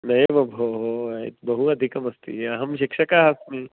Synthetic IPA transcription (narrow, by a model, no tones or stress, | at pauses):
nɐeʋɐbʱoɦoj̰t̪bɐɦuɐd̪ʱikɐmɐst̪ḭɐɦɐmʃikʂɐkaɦasmi